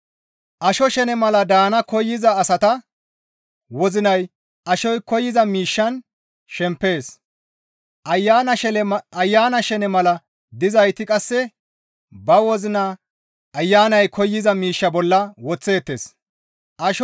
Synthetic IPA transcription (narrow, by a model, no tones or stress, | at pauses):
ʔɐʃɔʃɛnɛmɐlɐd̪aːnɐkɔjːɪzɐːsɐt̪ɐ | wɔzɪnɐj | ʔɐʃɔjkɔjːɪzɐmiːʃːɐn | ʃɛmpːe̞ːs | ʔɐjːanɐɛɐjːaːnɐʃɛnɛmɐlɐ | d̪ɪzɐjt̪ɪkʼɐsːɛ | bɐwɔzɪnɐ | ʔːjːaːnɐjkʰɔjːɪzɐmiːʃːɐbɔlːɐwɔt͡sːe̞ːt̪ːe̞ːs | ʔɐʃ